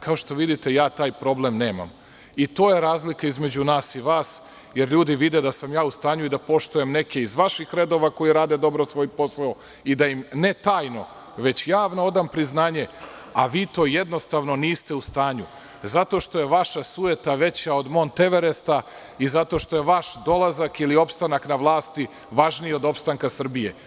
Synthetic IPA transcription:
kaoʃt̪o̞ʋid̪it̪e̞jaːt̪aːjpɾo̞blemne̞ːma̰m | it̪o̞ːje̞ɾaːzlikaizme̞d͡ʑunaːsiʋaːs | je̞ɾʎuːd̪iʋid̪ed̪asamjaːust̪aːɲuid̪apo̞ʃt̪ujemne̞keizʋaʃixɾe̞d̪o̞ʋako̞jiɾaːd̪e̞d̪o̞bɾo̞sʋo̞ːjpo̞sao | id̪ajimne̞t̪aːjno̞ | ʋe̞t͡ɕjaːʋno̞o̞d̪ampɾiznaːɲe̞ | a̰ʋiːt̪o̞ːje̞d̪no̞st̪aʋno̞niːst̪e̞ust̪aːɲu | zat̪o̞ʃt̪o̞je̞ʋaʃasuje̞t̪aʋe̞t͡ɕao̞d̪mo̞nt̪e̞ʋe̞ɾest̪a | izat̪o̞ʃt̪o̞jeʋaʃd̪o̞lˠazakilio̞pst̪anaknaʋlˠaːst̪i | ʋaʒnieo̞d̪o̞pst̪aŋkasr̩bije̞̰

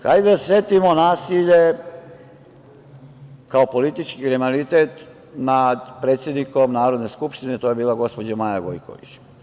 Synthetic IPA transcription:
xa̰jd̪ed̪asjet̪imo̞naːsiʎe̞ | kaopo̞lit̪it͡ʃkikɾemalit̪eːt̪ | nad̪pɾet̪sʲje̞d̪nikomnaːɾo̞d̪ne̞skupʃt̪ine̞t̪oje̞biːlaɡo̞spod͡ʑamaːjaɡo̰jkʰo̰ʋḭt͡ɕ

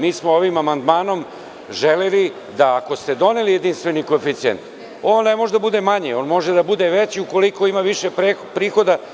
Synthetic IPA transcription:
miːsmooʋimamand̪maːno̞m | ʒeleli | d̪aːko̞st̪e̞d̪o̞nelijed̪inst̪vʋe̞niko̞efit̪siḛnt̪ | oːnːemoʒed̪abud̪e̞maɲeo̞ːnmo̞ʒed̪abud̪eʋet͡ɕiuko̞liko̞imaʋiʃepepɾiːxo̞d̪a

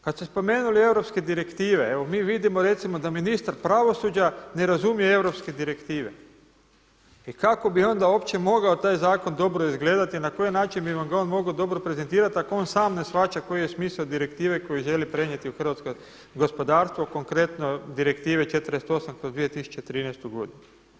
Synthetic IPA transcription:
kat̪st̪espo̞me̞ːnulie̞ʋɾo̞psked̪iɾe̞kt̪iːʋeeʋo̞miːʋid̪imo̞ɾe̞t̪simo̞d̪aminist̪aɾpɾaʋo̞sud͡ʒane̞ɾazumijee̞ʋɾo̞pske̞d̪iɾe̞kt̪iːʋe | ikako̞bio̞nd̪ao̞ːpt͡ʃe̞mo̞ɡaot̪aːjzaːko̞nd̪o̞bɾo̞izɡle̞ːd̪at̪inako̞jnaːt͡ʃinbiʋamɡao̞ːnmo̞ɡod̪o̞bɾopɾe̞zent̪iːɾat̪akooːnsaːmne̞sxat͡ʃako̞jijesmiːsaod̪iɾe̞kt̪iːʋe̞ko̞jiʒe̞lipɾe̞ɲe̞t̪iuxr̩ʋat̪sko | ɡo̞spo̞d̪aːɾst̪ʋo̞ko̞ŋkɾe̞t̪no̞d̪iɾe̞kt̪iːʋet͡ʃet̪ɾ̩est̪o̞samkɾozd̪ʋijet̪isu̥t͡ʃet̪ɾiːnɛst̪uɡo̞d̪inu

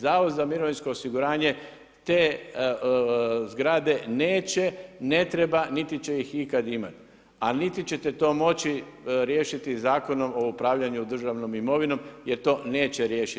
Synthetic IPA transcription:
zaːʋod̪zamiɾoʋinsko̞osiɡuɾaːɲe̞ | t̪e̞ː | zɡɾaːd̪e̞ne̞ːt͡ɕe̞ne̞t̪ɾe̞banit̪it͡ɕe̞jixikad̪imat̪ | anit̪it͡ɕe̞t̪et̪o̞ːmo̞t͡ɕi | ɾje̞ːʃit̪izaːko̞no̞mo̞upɾaːʋʎaɲud̪r̩ʒaʋno̞mimo̞ʋino̞mjeɾt̪o̞ːne̞ːt͡ɕe̞ɾjeːʃi

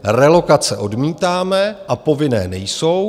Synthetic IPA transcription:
rɛlo̞kat͡sɛʔo̞dmiːt̪aːmɛʔapo̞vɪnɛ̰ːnɛjso̞w

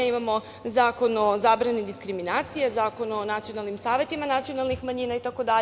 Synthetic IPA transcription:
imamo̞ | zaːko̞nozaːbɾanid̪iskɾiminaːt̪sijezaːko̞nonat̪sijo̞nalˠnimsaːʋje̞t̪imanat̪sio̞nalˠnixmaɲiːnait̪ako̞d̪a

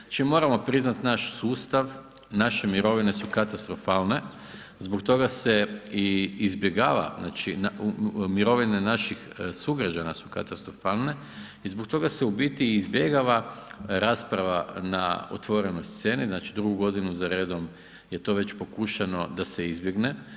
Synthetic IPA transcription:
at͡ʃimo̞ːɾamo̞pɾiznat̪naʃsuːst̪aʋ | naʃe̞miɾo̞ʋine̞sukat̪ast̪ɾofaːlˠne̞ | zbokt̪o̞ɡase̞iːzbjeɡaːʋa̰na̰ːt͡ʃinamiɾo̞ʋinenaʃixsuɡɾad͡ʒanasu̥ka̰t̪ast̪ɾofaːlˠne̞ | izbo̞kt̪o̞ɡase̞ubit̪iːzbje̞ɡaʋaɾaːspɾaʋana̰o̰t̪ʋo̞ɾenojst̪se̞ːniznaːt͡ʃid̪ɾuɡuɡo̞d̪inuzaɾeːd̪o̞m | je̞t̪o̞ʋe̞t͡ɕpo̞kuːʃano̞d̪aseizbjeɡne̞

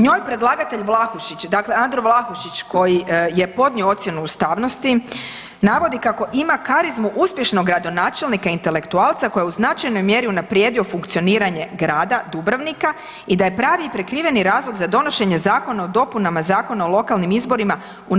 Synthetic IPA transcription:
ɲo̞ːjpɾe̞d̪lˠaːɡat̪e̞ʎʋlˠaxuʃit͡ɕd̪akle̞and̪ɾoʋlˠaxuʃit͡ɕko̞jije̞po̞d̪nioo̞t̪sʲje̞nuːst̪aʋno̞st̪i | naʋo̞d̪ikako̞ʔimakaɾizmuʔuspʲje̞ʃnoɡːɾad̪o̞naːt͡ʃe̞lˠnikaint̪e̞le̞kt̪uaːlˠt̪sako̞jeuznat͡ʃajno̞jmje̞ɾiunapɾjed̪io̞fuŋkt̪sio̞niːɾaɲe̞ɡɾaːd̪ad̪ubɾaʋnika | id̪aje̞pɾaːʋiipɾe̞kɾiːʋe̞niɾaːzloɡzad̪o̞no̞ʃe̞ɲe̞zaːko̞naod̪o̞punamazaːko̞naolˠo̞kalnimizbo̞ɾima | u

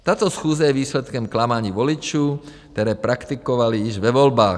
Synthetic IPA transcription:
t̪aːt̪ɔsxuːd͡zajɛʋiːslɛt̪kɛmklamaɲiːʋɔlit͡ʃukt̪ɛɾɛːpɾakt̪ikɔʋaliiʒʋɛʋɔlbaː

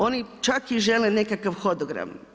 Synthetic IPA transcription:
onit͡ʃakiʒelenekakaʋxo̞d̪oɡɾa̰m

